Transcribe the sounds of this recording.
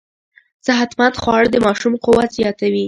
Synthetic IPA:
z̥aɦat̪mand̪xwɑɽd̪əmɑʃumqʊwat̪zjɑt̪awi

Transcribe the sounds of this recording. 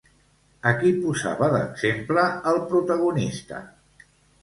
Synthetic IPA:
əkipuza̰βəðə̰ɡz̥empləːlˠpɾut̪əɣunist̪ə̰

